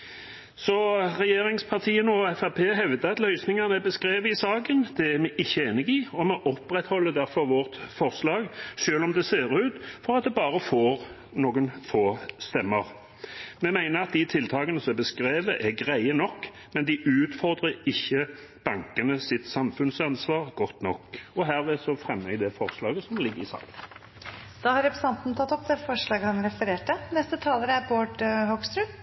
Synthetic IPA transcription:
sɔʁɛjeːɾɪŋspʰɑʁt̪ʰiːənəɔɛfɑpʰeːɦɛʋd̪əɑt̪lœʏsnɪŋɑnəɛbəskɾeːʋəɪsɑːkənd̪̥ɛæmɛʔɪçːəeːnɪɡiːɔmɛʔɔpɾɛt̪hɔlːəd̪æɾfɔʁʋɔʁt̪fɔʁslɑːɡʃøːlɔmd̪ɛseːʁʉːt̪fɔɾɑt̪̚d̪ɛbɑːʁəfoːʁ | noːɡənfoːst̪ɛmːəʁ | mɛmæɪnəʁɑt̪̚d̪it̪ʰɪlt̪ʰɑːɡənəsɔmbəskɾeːʋəʔɛɡʁæɪənɔkː | mɛnd̪ɪʔʉːt̪fɔʁd̪ʁəɪçːə | b̥ɑŋkənəsɪt̪sɑmfʉnsɑnsʋɑːʁɡɔt̪ːnɔkːɔɦæːʁʋeːsɔfɾɛmːəd̪ɛfɔʁslɑːɡəsɔmlɪɡːəɾɪsɑ̰ːlən | d̪̥ɑːhɑɾɛpɾəsɑnt̪n̩t̪ʰɑt̪ːɔpːd̪ɛfɔʂlɑːɡəhɑnɾɛfəɾeːʈənɛst̪ət̪ʰɑːləɾəæboːʈhɔɡst̪ɾʉ

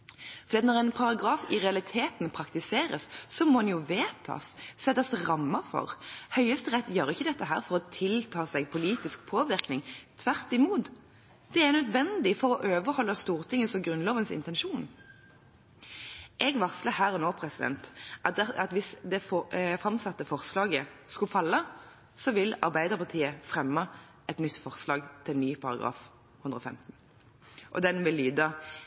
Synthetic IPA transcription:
fɔd̪iːɑt̪nɔʁɛnpʰɑʁɑɡʁɑːfɪʁɛɑlɪt̪ʰeːt̪npʰɾɑkt̪ɪseːɾəsːɔmɔhɑnjʊʋeːt̪ʰɑ̰sːɛt̪ːɑsʁɑmːəfɔ̰ʁhœʏəst̪əʁɛt̪ːjøːɾəɪçːəd̪ɛt̪ːəɦæ̰ːʁfɔʁɔt̪ʰɪlt̪ʰɑːsɛɡpʰʊliːt̪ɪsk̚pʰoːʋɪɾknɪŋt̪ʰʋæʁt̪ɪmuːt̪ | d̪̥ɛænœd̪ʋɛnd̪ɪfɔʁɔʔøːʋəɾhɔlːəst̪uːʁt̪ʰɪŋːəsɔmɡɾʁʉnloːʋənsɪ̰nt̪ɛnʃuːn | ʔɛɡʋɑʁskləhæːʁɔnoːpʰɾɛsɪd̪ɛ̰nt̪ʔɑɑt̪ʋɪsd̪ɛfɔfʁɑmsɑt̪ːəfɔʁslɑːɡəskʉfɑlːə | sɔʋɪlɑ̰ʁbæɪd̪əʁpʰɑʁt̪ʰiːəfʁɛmːə | ɛt̪nʏt̪ːfɔʁslɑːɡt̪ʰɪlnyːpʰɑɾɑ̰ɡʁɑ̰ːf | ʉnd̪ʁəɔːfɛ̰mt̪n̩ | ʔɔ̰d̪ɛnʋɪlːyːd̪ə

